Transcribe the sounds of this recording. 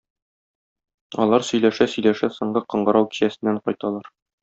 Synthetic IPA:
ɒ̰lˠɑɾsɵ̆jlæʃæsɵ̆jlæʃæsŏɴɢɤqɤ̆ɴɢɤ̆ɾɑwki̥ɕæsɘ̆nːæɴqɒjt̪ɑlˠɑɾ

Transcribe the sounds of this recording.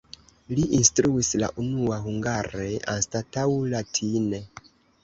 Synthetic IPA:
liʔinstɾuisla̰ʔunuaɦuŋɡaɾe̞ʔa̰nstatawlatʰine̞

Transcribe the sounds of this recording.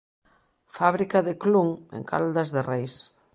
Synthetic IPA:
faβɾikaðɪkluŋḛŋka̰ld̪ɐzðerejs

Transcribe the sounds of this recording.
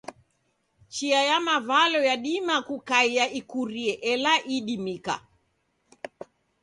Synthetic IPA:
t͡ʃiajamavalɔjaɗimakukaijaʔikuɾiɛʔɛlaʔiɗimika̰

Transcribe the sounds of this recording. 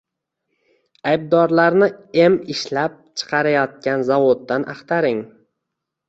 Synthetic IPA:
ajb̚d̪ɒɾlaɾnɪe̞mɪʃlap̚t͡ʃʰɨ̥qʰɑɾajɒt̪̚kʲanzavod̪ːanʔa̰χt̪ʰaɾɪŋ

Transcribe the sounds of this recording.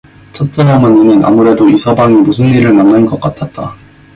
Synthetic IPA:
t͡ɕʰʌt̚t͡ɕ͈ʌnamʌɲinɯna̰muɾe̞doisʰʌbaŋimusʰɯniɾɯɭnanːɯnɡʌk͈atʰat̚t͈a

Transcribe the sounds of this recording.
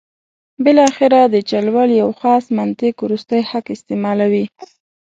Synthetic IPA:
bɪlɑxɪɾad̪ət͡ʃalwaljawxɑsmant̪ɪkuɾust̪əjhakɪst̪ɪmɑlawi

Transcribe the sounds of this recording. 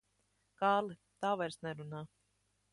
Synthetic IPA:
kaːlˠit̪aːvajɾsnɛɾunaː

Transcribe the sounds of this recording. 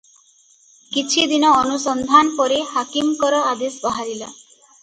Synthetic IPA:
kit͡ʃʰid̪inɔːnusɔnd̪ʱanpɔɾehakimkɔɾɔad̪esbɔɦaɾila̰

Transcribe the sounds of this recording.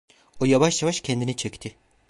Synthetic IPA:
ojavaʃjavaʃcʲʰɛnd̪init͡ʃʰɛct̪ʰɪ

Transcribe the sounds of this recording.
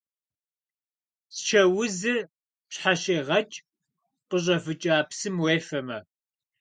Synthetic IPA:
sʃɐwʊzɨ | pɕħaɕeːʁɐt͡ʃʼ | qəʑʼɐfɨt͡ʃʼaːpsɨmweːfɐmɐ̰

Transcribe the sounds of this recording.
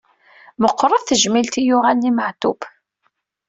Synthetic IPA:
məqːɾˤəðθəʒmilt̪ijʊʁalniməʕt̪ub

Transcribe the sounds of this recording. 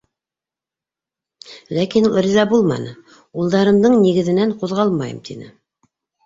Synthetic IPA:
lækinul̆ˠɾizɑbulˠmɑ̰nɤ | ulˠd̪ɑɾɤ̆md̪ɤɴniɡɘ̆ðɘ̆næɴquðʁɑlˠmɑjɤ̰mt̪ʰinɘ̰

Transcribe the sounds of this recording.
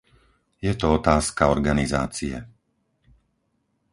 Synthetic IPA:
jɛt̪ɔɔt̪aːskaɔɾɡaniza̰ːt͡siɛ̰

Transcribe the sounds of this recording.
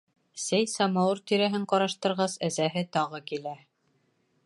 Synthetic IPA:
sæjsɑmɑwɤɾt̪iɾæɦɘɴqɒɾɑʃt̪ɤ̆ɾʁɑsæzæɦɘt̪ɒʁɤkilæ

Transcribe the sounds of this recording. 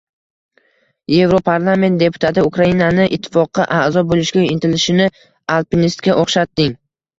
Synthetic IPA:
je̞vɾopʰaɾlˠame̞nt̪̚d̪e̞pʰʊ̥t̪ʰat̪ɪʊkɾainanɪʔɪt̪ʰːɪ̥fɒqːɑʔaʔzɒbolɪʃɡʲaɪnt̪ʰɪlɪʃɪnɪ | alˠpinist̪kʲaʔoχʃat̪ːɪŋ

